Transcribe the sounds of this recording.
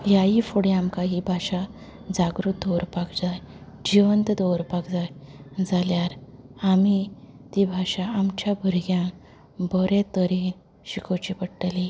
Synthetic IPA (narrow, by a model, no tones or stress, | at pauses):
jaɦifuɽiamkaɦibʱaɕa | d͡zaɡɾut̪̚d̪ɔwɾpakd͡zaj | d͡ʑiʋənt̪d̪ʱɔwɾpakd͡zajd͡zaljaɾamit̪ibʱaɕaːmt͡ɕjabʱuɾɡjã | bɔɾẽt̪əɾin | ɕikʰot͡ɕipəɽʈəli